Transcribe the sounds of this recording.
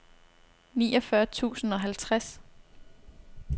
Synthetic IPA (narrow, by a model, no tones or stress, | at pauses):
nḭːɒ̽fɶɐt͡sʰṵːsn̩ɒ̽ɦælt͡sʰʁas